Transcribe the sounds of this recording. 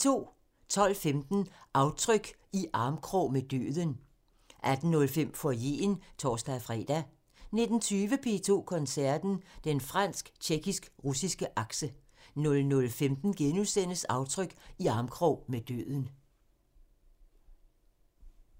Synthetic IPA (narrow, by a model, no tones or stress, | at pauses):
t͡sʰo̝̰ː | t͡sʰɒ̽l̰femd̥n̩ʔɑ̈ʊt͡sʰʁœɡ̥ | iʔɑ̈ːmkʰʁɔmed̥ø̰ːðˠən | ʔæd̥n̩ːɔ̽lfem̰fɒje̝̰ːnt͡sʰɒːsd̥æfʁɛ̰d̥æ | ne̝d̥n̩t͡sʰyːʋəpʰe̝̰ːt͡sʰo̝̰ːkʰɒ̽nsæɐ̰d̥n̩d̥enfʁɑn̰sɡ̥t͡ɕʰeɡ̥isɡ̥ʁusisɡ̥əʔɑ̈ɡ̥sə | nɔ̽lnɔ̽lfemd̥n̩ɡ̥enusen̰əsɑ̈ʊt͡sʰʁœɡ̥iɑ̈ːmkʰʁɔʊmed̥ø̰ːðˠən̩